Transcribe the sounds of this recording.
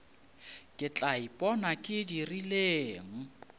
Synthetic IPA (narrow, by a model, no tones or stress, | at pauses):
kʼɪt͡ɬʼaipʼɔnakʼɪdirileːŋ̩